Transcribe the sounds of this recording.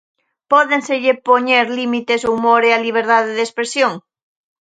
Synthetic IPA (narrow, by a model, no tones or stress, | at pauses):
pɔðẽnseʎepoɲeɾlimit̪esumoɾealiβ̞eɾðaðeðespɾesjoŋ